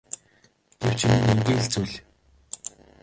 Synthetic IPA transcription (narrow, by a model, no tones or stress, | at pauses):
ɡ̥ew̥t͡ɕʰinɘ̆nemɡĭːɮt͡sujɮ